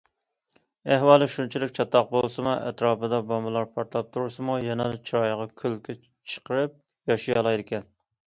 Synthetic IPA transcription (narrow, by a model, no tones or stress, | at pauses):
æhwɑːlˠɪʃunt͡ʃʰilɪkʲt͡ʃʰɑt̪ːɑq̚bolˠsɨmuʔɛ̰t̪ɾɑːpɨd̪ɑbɑmɨlˠɑɾpʰɑɾt̪lˠɑp̚t̪ʰuɾuɾsɨmujɛnɛlɨt͡ʃʰiɾɑjʁɑkʲʰylkʲʰɛ | t͡ʃʰə̥qəɾɨp̚ | jɑʃijɑlˠɑjd̪ɪkʲɛn